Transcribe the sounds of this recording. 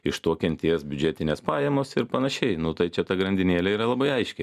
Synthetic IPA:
ɪʃt̪oɔkʲɛnʲt̪ʲeːsbʲʊd͡ʒʲæːt̪ʲɪnʲeːspɑːjɛmoːsɪɾpɐnɐʃʲɛɪnʊt̪ɐɪt͡ʃʲɛt̪ɐɡɾɐnʲd̪ʲɪnʲeːlʲɛiːɾɐlˠɐbɐɪɐɪʃʲkʲɛɪ

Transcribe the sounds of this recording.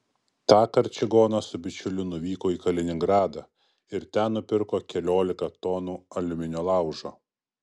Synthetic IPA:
t̪ɑːkɐɾʲt͡ʃʲɪɡoːnɐsʊbʲɪt͡ʃʲʊlʲʊnʊʋʲiːkoːiːkɐlʲɪnʲɪŋɡɾɑːd̪ɑ | ɪɾt̪ʲænnːʊpʲɪɾkoːkʲɛlʲoːlʲɪkɐt̪ɔːnuːɐlʲʊmʲɪnʲoːlˠɑˑʊʒo̰ː

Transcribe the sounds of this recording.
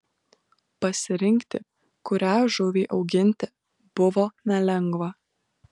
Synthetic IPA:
pɐsʲɪɾʲɪŋʲkt̪ʲɪ̰ | kʊɾʲæːʒʊʋʲiːʔɒʊɡʲɪnʲt̪ʲɪ | b̥ʊʋoːnʲɛlʲɛŋɡʋɐ

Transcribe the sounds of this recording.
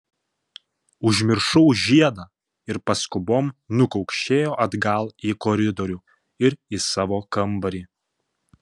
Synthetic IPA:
ʊʒʲmʲɪɾʃɔʊʒʲiɛd̪ɑː | ɪɾpɐskʊboːmnʊkɔʊkʃʲt͡ʃʲeːjoːʔɐd̪ɡɐlˠiːkɔːɾʲɪd̪ɔɾʲuː | ɪɾisɑːʋoːkɐmˑbɐɾʲiː

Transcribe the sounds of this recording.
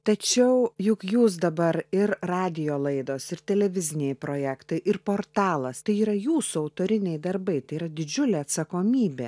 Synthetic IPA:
t̪ɐt͡ʃʲɛʊjʊkjuːs̬d̪ɐbɐɾɪɾrɑːd̪ʲɪjoːlˠɐɪd̪oːsɪɾt̪ʲɛlʲɛʋʲɪzʲɪnʲeɪpɾoːjæːkt̪ɐɪʔɪrpoːrt̪ɑːlˠɐst̪ɐɪiːɾɐjuːsʊɐʊt̪oːɾʲɪnʲɛɪd̪ɐrbɐɪt̪ɐɪiːɾɐd̪ʲɪd͡ʒʲʊlʲeːɐt̪sɐkoːmʲiːbʲḛ

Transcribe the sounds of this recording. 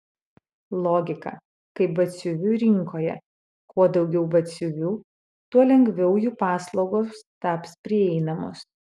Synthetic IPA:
lˠoːɡʲɪkɐ̰ | kɐɪp̚bɐt̪sʲʊʋʲuːɾʲɪŋkoːjɛ̰ | kuɔd̪ɒʊɡʲɛʊbɐt̪sʲʊʋʲuː | t̪uɔlʲɛŋʲɡʲʋʲɛʊjuːpɑːslˠɒʊɡoːst̪ɑːpspʲɾʲɪɛɪnɐmʊ̰s

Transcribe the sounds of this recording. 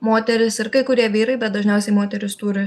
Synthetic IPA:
moːt̪ʲɛɾʲɪsɪɾkɐɪkʊɾʲiɛʋʲiːɾɐɪbʲɛt̪̚d̪ɐʒʲnʲɛʊsʲɛɪmoːt̪ʲɛɾʲɪst̪uːɾʲɪ

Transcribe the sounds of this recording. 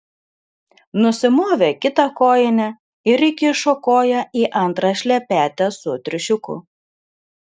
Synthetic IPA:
nʊsʲɪmoːʋʲekʲɪt̪ɐkoːjɪnʲɛ | ɪɾɪkʲɪʃokoːjɛʔiːʔɐnˑt̪ɾɑʃʲlʲɛpʲæːt̪ʲɛsʊt̪ʲɾʲʊʃʲʊkʊ̰

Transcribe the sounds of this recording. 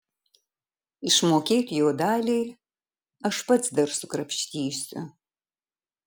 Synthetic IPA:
iʂmoːkʲʰejtʰjoːdaːɮej | ɐʂpʰɐt͡sʰdɐrsukʼrɐpʃtʰiːʃtʼɨ̰

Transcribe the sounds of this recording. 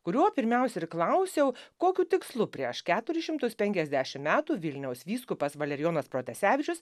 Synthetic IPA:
kʊɾʲuɔpʲɪɾʲmʲɛˑʊsʲɛɪɾklˠɐʊsʲɛʊkoːkʲuːt̪ʲɪkslˠʊpʲɾʲiɛʃkʲæːt̪ʊɾʲɪʃʲɪmt̪ʊspʲɛŋʲkʲɛzʲd̪ʲæːʃʲɪmmʲæːt̪uːʋʲɪlʲnʲɛʊsʋʲiːskʊpɐsʋɐlʲɛɾʲɪjoːnɐspɾoːt̪ʲɛsʲæːʋʲɪt͡ʃʲʊs

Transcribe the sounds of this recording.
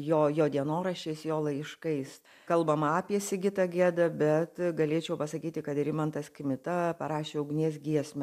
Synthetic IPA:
joːjoːd̪ʲiɛnoːɾɐʃʲeːsjoːlˠɐɪʃkɐɪs | kɐlˠbɐmɑːpʲiɛsʲɪɡʲɪt̪ɐɡʲiɛd̪ɐbʲɛt̪ɡɐlʲeːt͡ʃʲɛʊpɐsɐkʲiːt̪ʲɪkɐt̪ɪɾʲɪmɐnt̪ɐskʲɪmʲɪt̪ɐpɐɾɑːʃʲeːʊɡnʲiɛsɡʲiɛsʲmʲɛ

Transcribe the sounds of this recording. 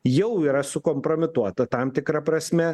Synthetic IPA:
jɛʊiːɾɐsʊkoːmpɾoːmʲɪt̪uɔt̪ɐt̪ɐmt̪ʲɪkɾɐpɾɐsʲmʲɛ

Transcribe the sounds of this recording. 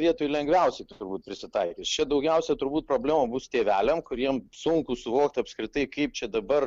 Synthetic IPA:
ʋʲiɛt̪oːjlʲɛŋɡʋʲɛˑʊsʲɛɪt̪ʊɾbuːt̪̚pʲɾʲɪsʲɪt̪ɐɪkʲest͡ʃʲɛd̪ɐʊɡʲɛˑʊsʲɛt̪ʊɾbuːt̪̚pɾoːbʲlʲeːmoːbʊst̪ʲeːʋʲæːlʲɛmkʊɾʲiɛmsʊŋkʊsʊʋoːkt̪ɐpskɾʲɪt̪ɐɪkɐɪp̚t͡ʃʲɛd̪ɐbɐr

